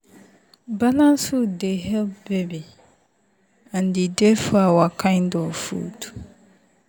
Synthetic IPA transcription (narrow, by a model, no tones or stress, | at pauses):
balãnsfudeɦɛlp̚bebi | ãndidefuawakʰãɪ̃ndɔfṵːd